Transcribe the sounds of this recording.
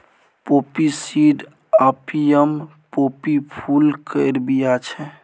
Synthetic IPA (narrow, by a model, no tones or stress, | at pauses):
popisiɖ | apijəm | popipʰulkəɾbijat͡ʃʰɛ